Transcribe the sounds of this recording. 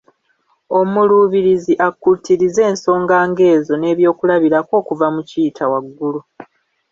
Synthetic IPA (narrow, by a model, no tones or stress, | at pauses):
o̞muluβiɾiziʔakːutiɾize̞ːnso̞ːŋɡaːŋɡe̞ːzo̞ne̞ːβjo̞ːkulaβiɾako̞ːkuvamuciːtʰawaɡːulu